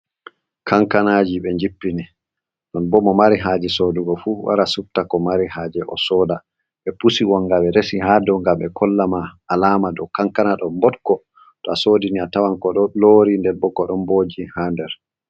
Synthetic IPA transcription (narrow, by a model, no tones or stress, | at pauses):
kʰaŋkanad͡ʒiɓɛɲd͡ʒipːini | ɗɔnbɔmɔmaɾiɦaːd͡ʒɛsoːduɡɔfuwa̰ɾasuftakɔmaɾihaːd͡ʒɛʔɔ̰sɔda | ɓɛpusiwɔŋːɡawɛɾesihadɔŋɡambɛkʰɔlːamaːlaːmadɔkaŋkanaɗɔmbɔtkɔ | tɔasoːdiniatawankɔɗɔloːɾindɛɾbɔkɔɗɔnboːd͡ʒihandɛɾ